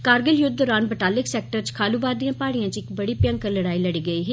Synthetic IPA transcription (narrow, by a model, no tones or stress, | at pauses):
kaːɾɡəljʊd̪̚d̪ɔːɾaːnbəʈaːlɪksɛːk̚ʈəɾt͡ʃkʰaːluːbaːɾd̪iãːpaːɽijãːt͡ʃɪkbəɽiːpjə̃ŋkəɾləɽaːiːləɽiːɡəiːɦeː